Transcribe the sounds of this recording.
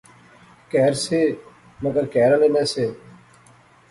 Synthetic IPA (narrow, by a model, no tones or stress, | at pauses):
kɛːɾseː | məɡəɾkɛːɾəleːmɛ̃ːseː